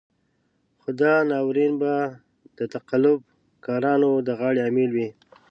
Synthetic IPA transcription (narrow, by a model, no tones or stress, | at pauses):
xʊd̪ɑnɑwɾinba | d̪̥ət̪aqalʊb̚ | kɑɾɑnod̪əɣɑɽeamelwi